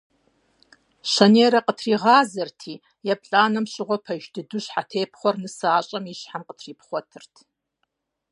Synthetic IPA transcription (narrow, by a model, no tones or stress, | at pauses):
ʃɐneːɾɐqʼətʰriːʁɑːzɐrtʰiː | japʰɬʼaːnɐmɕɪʁʷɔpʰɐʒdɨdʊɕħatʰeːpʰχʷɔrnɨsaːɕʼɐmiɕħamqʼətʰriːpχʷɔtʰɨrtʰ